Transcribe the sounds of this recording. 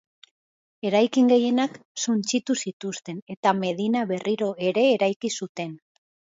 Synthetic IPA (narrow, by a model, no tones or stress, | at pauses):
e̞ɾajkiŋɡe̞je̞naksunt͡ʃit̪usit̪ust̪e̞ne̞t̪ame̞ð̞inaβe̞riɾo̞e̞ɾe̞ːɾajkisut̪e̞n